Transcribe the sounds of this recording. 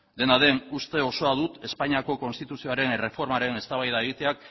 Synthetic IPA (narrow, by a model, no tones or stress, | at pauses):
d̪e̞naðe̞nust̪e̞o̞so̞aðut̪e̞spaɲiako̞ko̞nst̪it̪usio̞aɾe̞nre̞fo̞ɾmaɾe̞ne̞st̪aβajðaeɣit̪e̞ak̚